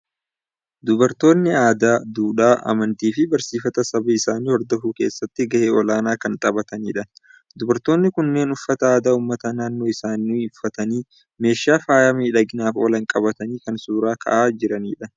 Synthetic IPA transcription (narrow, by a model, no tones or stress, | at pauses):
d̪ʊbɐɾt̪o̞ːnːɪaːd̪aːd̪uːᶑaːʔɐ̰mɐnt̪iːfɪbɐɾsiːfɐt̪ɐsɐbɐɪsaːniːhɔɾd̪ɔfʊke̞ːsːɐt̪ːɪɡɐʔeːɔlaːnaːkɐnt̪ʼɐbɐt̪ɐniːᶑɐ | d̪ʊbɐɾt̪o̞ːnːɪkʊnːe̞ːnʊfːɐt̪ɐaːd̪aːuːmːɐt̪ɐnaːnːo̞ːɪsaːnːiːʊfːɐt̪ɐniː | me̞ːʃːaːfaːjɐmiːᶑɐɡɪnaːfoːlɐŋkʼɐbɐt̪ɐniːkɐnsuːɾaːkʰɐ̰ʔaːd͡ʒɪɾɐniːᶑɐ